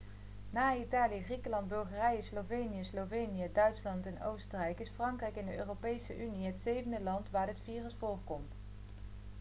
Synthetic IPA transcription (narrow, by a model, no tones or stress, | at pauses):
naːitaːlijəχrikəlɑndbɵlˠχərɛjəslowvejnijəslowvejnijədœɥtslɑntɛnowstərɛjkɪsfrɑŋkrɛjkɪndəʔø̰ːropejsəʔyniɦətsejvəndəlɑntʋaːɹdətfiːrəsfʊːrkɔmt